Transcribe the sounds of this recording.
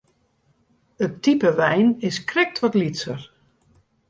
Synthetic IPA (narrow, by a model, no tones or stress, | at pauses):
ətːipəʋɛjnɪskrɛk̚tʋɔtlitsər